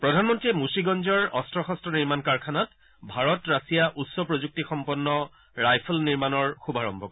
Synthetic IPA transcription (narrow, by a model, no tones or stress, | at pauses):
pɹɔdʱanmɔntɹiɛmusiɡɔnd͡ʒɔɹɔstɹɔxɔstɔniɹmankaɹkʰanat | bʱaɹɔtɹasijaʔutsɔpɹozuk̚tixɔmpɔnːɔ | ɹajpʰlniɹmanɔɹxubʱaɹɔ̰mbʱɔkɔ